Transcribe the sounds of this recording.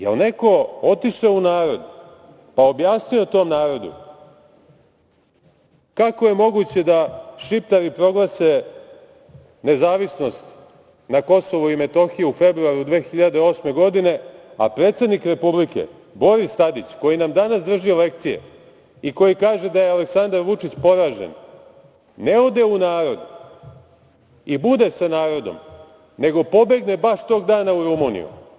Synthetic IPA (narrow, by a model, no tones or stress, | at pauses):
jelne̞ko̞o̞t̪iʃeunaːɾo̞d̪ | pao̞bjaːsnijot̪o̞ːmnaːɾo̞d̪ṵ | kako̞je̞mo̞ɡut͡ɕe̞d̪aʃipt̪aɾipɾo̞ɡlˠase̞ | ne̞zaːʋisno̞st̪ | nako̞so̞ʋoime̞t̪o̞xijeufe̞bɾuaɾud̪ʋe̞ːxiʎad̪e̞o̞sme̞ɡo̞d̪ine̞a̰pɾe̞ːt̪se̞d̪nikɾe̞publike̞̰ | bo̞ɾist̪ad̪it͡ɕko̞jinamd̪anasd̪r̩ʒielek̚t̪sije̞̰ | iko̞jikaːʒe̞d̪ajeale̞ksand̪aɾʋut͡ʂit͡ɕpo̞ɾaːʒḛnː | e̞od̪e̞unaːɾo̞d̪u | ibud̪e̞sanaːɾo̞d̪o̞̰m | ne̞ɡo̞po̞be̞ɡne̞baʃt̪o̞ɡd̪aːnauɾumunḭṵ